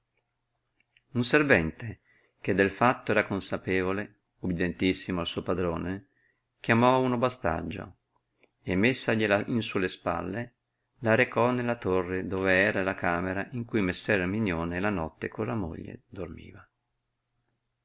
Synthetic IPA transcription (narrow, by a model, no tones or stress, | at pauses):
unservɛnt̪e | k̟ed̪ːelfat̪ːoɛːɾakonsapeːvole | ubid̪ent̪isːimoalsuopad̪ɾoːne | kjamɔunobast̪a̰d͡ʒːo̰ | emːesːaʎilainsulespa̰lːe | laɾekɔnelːat̪orːed̪oːveɛːɾalakaːmeɾaʔiŋkujmesːɛɾminjoːnelanɔt̪ːekolamo̰ʎːḛd̪ormḭːva